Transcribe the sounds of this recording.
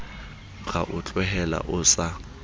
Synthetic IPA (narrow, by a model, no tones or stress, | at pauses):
ɣa̰ʔʊt͡ɬʼwɛɦɛla̰ʔʊsa